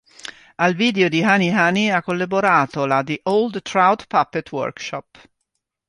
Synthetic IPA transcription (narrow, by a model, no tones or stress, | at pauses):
alviːd̪eod̪iɦaniɦaniakːolːaboɾaːt̪olad̪iʔold̪t̪ɾawt̪papːɛt̪ʰwɔ̰ɾkʃɔp